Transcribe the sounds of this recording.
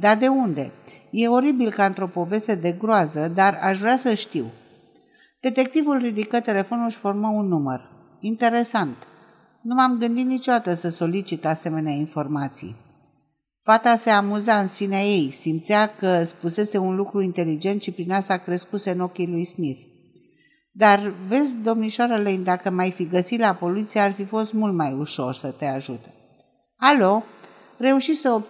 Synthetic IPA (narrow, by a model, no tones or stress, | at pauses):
d̪ard̪e̞und̪e̞̰je̞o̞ɾibilkaɨnt̪ɾo̞po̞ve̞st̪e̞d̪e̞ɡɾoazəd̪araʃvɾeasəʃt̪iw | d̪̥e̞t̪e̞k̚t̪ivulrid̪ikət̪e̞le̞fo̞nulʃʲfo̞rməunːumə̰r | int̪e̞ɾe̞sant̪ | numamɡɨnd̪it̪nit͡ʃo̞d̪at̪əsəso̞lit͡ʃit̪ase̞me̞neainfo̞rmat̪sḭj | fat̪ase̞amuzaɨnsineaje̞jsimt̪sijakəspuse̞se̞unlukɾuint̪e̞lid͡ʒe̞nt̪ʃipɾinast̪akɾe̞skuse̞ɨno̞kʲilujsmiθ | d̪arve̞sʲd̪o̞mniʃoaɾəlejnd̪akəmajfiɡəsit̪lapo̞lit̪sijaarfifo̞st̪mult̪majuʃo̞rsət̪e̞aʒut̪e̥ | alo̞ | re̞uʃisəo